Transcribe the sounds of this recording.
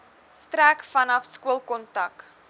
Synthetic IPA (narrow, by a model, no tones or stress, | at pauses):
stɾækfɐnɐfskuəlˠkɔntɐk